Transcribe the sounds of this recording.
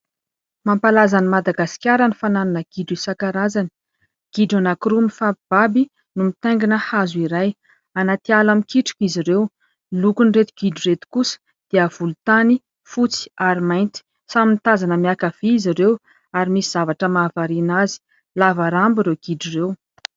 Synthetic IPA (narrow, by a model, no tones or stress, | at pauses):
mampalazanimad̪aɡaskʲaɾənifanananəɡ̥iɖ͡ʐisakaɾazani̥ | ɡ̥iɖ͡ʐanakɾumifapib̥abi | numit̪eŋɡinəhazuiɾaj | anat̪ialamikiʈ͡ʂi̥kiziɾew | lukuniret̪iɡ̥iɖ͡ʐiret̪i̥kusə̥ | d̪̥eəv̥ulut̪ani | fut͡si̥aɾimajnt̪i̥ | samint̪azanəmiakav̥iːiziɾew | aɾimisiz̥avaʈ͡ʂəmavaɾinazi̥ | lavaɾambiɾewɡ̥iɖ͡ʐirew